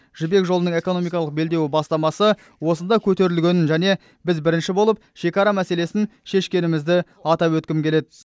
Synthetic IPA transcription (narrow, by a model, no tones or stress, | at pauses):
ʒ̥ʏbe̞kʒolˠənəɴe̞ko̞no̞mijkɑlˠəq̚be̞ld̪e̞wɪbɑst̪ɑmɑsə | wo̞sənd̪ɑkʲʰɵt̪e̞ɾɪlɡʲe̞nɪnʒæne̞ | bɪzbɪɾɪnʃɪbo̞lˠəp̚ʃe̞kɑɾɑmæse̞le̞sɪnʃe̞ʃkʲe̞nɪmɪzd̪ɪ | ɑt̪ɑwɵt̪̚kʲɪmkʲʰe̞le̞d̪ɪ